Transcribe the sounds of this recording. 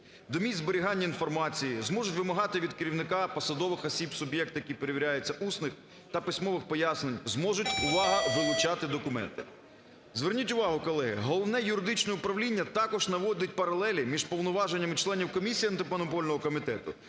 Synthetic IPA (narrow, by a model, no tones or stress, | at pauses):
d̪ɔmʲizbeɾʲiɦɑnʲːɐinfɔrmɑt͡sʲijizmɔʒʊtʲʋɪmɐɦɑt̪ɪʋʲid̪̚kɪɾʲiwnɪkɑpɔsɐd̪ɔʋɪxɔsʲibsʊbjɛk̚t̪ʊjɐkʲipeɾeʋʲiɾʲajʊt͡sʲːɐʔusnɪx | t̪ɐpisʲmɔʋɪxpɔjasnenʲzmɔʒʊtʲʊʋɑɦɐʋɪlˠʊt͡ʃɑt̪ɪd̪ɔkʊmɛ̰nt̪ɪ | zʋernʲitʲʊʋɑɦʊkɔlˠɛɦɪ̰ɦɔlˠɔwnɛjʊɾɪd̪ɪt͡ʃnɔjʊpɾɐʋlʲinʲːɐt̪ɑkɔʒnɐʋɔdʲʊt̚ʲpɐɾɐlˠɛlʲɪmʲiʒpɔwnɔʋɑʒenʲːɐmɪt͡ʃlˠɛnʲiwkɔmʲisʲijɐnt̪ɪmɔnɔpɔlʲnɔɦɔkɔmʲit̪ɛt̪ʊ̰